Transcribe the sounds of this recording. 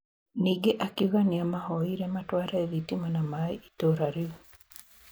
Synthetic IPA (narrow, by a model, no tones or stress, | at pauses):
niɡeʔakiɣaniamahɔiɾɛmatwaɾaeðitimanamaiitoɾaɾiwu